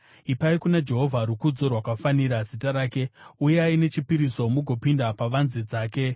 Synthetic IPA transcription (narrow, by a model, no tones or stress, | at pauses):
ipaikunad͡ʒe̞ɦo̞vʱaɾukud͡zo̞rwakafaniɾazitaɾaːke̞uje̞aine̞t͡ʃipiɾiso̞muɡʱo̞pindapaʋanzed͡zaːke̞